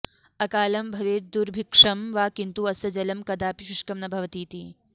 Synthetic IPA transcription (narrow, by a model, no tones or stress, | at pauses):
ɐkaːlɐmbʱɐʋeːt̪̚d̪uɾbʱikʂɐmʋaːkint̪uɐsɐd͡ʒɐlɐmkɐd̪aːpiʃuʂkɐmnɐbʱɐʋɐt̪iːt̪i